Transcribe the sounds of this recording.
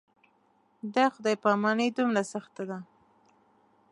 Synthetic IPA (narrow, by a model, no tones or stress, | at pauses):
d̪axʊd̪ɑjpɑmɑnəjd̪umɾasaxt̪ad̪a